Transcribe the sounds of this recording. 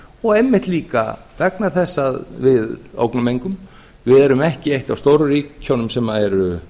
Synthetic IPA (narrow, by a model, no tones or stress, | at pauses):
ɔɣejmːɪht̪liːka̰vɛknaθɛsːaðvɪðo̰ːwknʏmejŋkʏm | vɪðɛɾʏmɛhcɪejht̪awst̪oːwɾʏriːownʏmsɛmːaðɛɾʏ